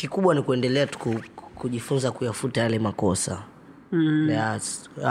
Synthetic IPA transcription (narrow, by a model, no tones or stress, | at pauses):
kikuɓwanikuɛndɛlɛatu̥kukuʄifunzakujafutajalɛmakɔsa̰ | ja